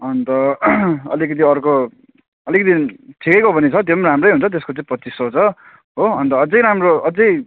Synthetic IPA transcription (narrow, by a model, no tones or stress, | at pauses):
ʌnt̪ʌʌ̰likʌt̪̬iʌrko | ʌlikʌt̪it͡sʰikʌjkobʱʌnit͡sʰʌd̪eʌmramrʌjɦunt͡sʰʌt̪̬eskot͡saĩpʌt͡sisːʌt͡sʰʌ | ɦoʌnt̪ʌːd͡zʌjɾamroʌd͡zʌj